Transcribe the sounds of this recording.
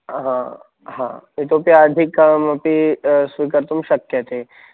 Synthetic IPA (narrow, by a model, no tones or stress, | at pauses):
ɦã | ɦã̰it̪opjaːd̪ʱikːmɐpisʋikəɾt̪umʃɐkjɐt̪e